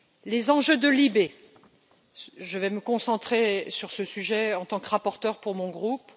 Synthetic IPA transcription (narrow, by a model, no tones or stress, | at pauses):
lezɑ̃ʒød̪əlibe | ʒəvɛməkɔ̃sɑ̃t̪χesyʁsəsyʒɛɑ̃t̪ɑ̃kʁapɔʁt̪œʁpuʁmɔ̃ɡʁup